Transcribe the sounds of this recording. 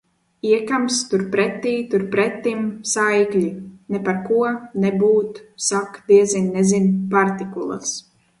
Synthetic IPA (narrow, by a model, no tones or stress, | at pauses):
iɛkamst̪uɾpɾɛt̪ːiːt̪uɾpɾɛt̪ːimsajklʲinɛpaɾkuɔnɛbuːt̪sakd̪iɛzinːɛzinpaɾt̪ikulˠa̰s